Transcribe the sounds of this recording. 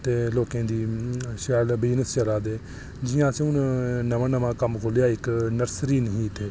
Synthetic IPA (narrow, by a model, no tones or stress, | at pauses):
t̪eːloːkẽːd̪iːʃɛːlbiːnəst͡ʃəɾaːd̪eː | d͡ʒɪjãːsẽʊnnəʋãːnəʋãːkəmkʰoːlejaːɪknəɾsɾiːnɦiːt̪ʰeː